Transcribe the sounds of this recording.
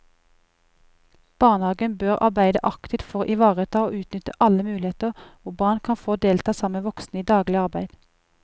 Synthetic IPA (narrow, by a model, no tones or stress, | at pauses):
b̥ɑːʁnhɑːɡənbøːʁʔɑ̰ʁbæɪd̪əʔɑkt̪ɪt̪fɔʁoːʔɪʋɑːʁət̪ʰɑːoːʉːt̪nʏt̪əʔɑləmʉːlɪeːt̪əʁʊbɑːʁnkʰɑnfoːd̪eːlt̪ʰɑːsɑməʋɔksnəiːd̪ɑːɡlɪɑʁbæɪd̪̥